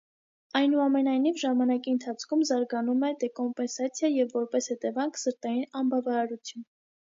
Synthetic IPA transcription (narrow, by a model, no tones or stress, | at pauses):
ɑjnuɑmɛnɑjnivʒɑmɑnɑkiənt̪ʰɑt͡sʰkʰumzɑɾɡɑnumɛd̪ɛkɔmpɛnsɑt͡sʰjɑjɛvːɔɾpɛshɛt̪ɛvɑŋkʰsəɾt̪ɑjinɑnbɑvɑɾɑɾut͡sʰjun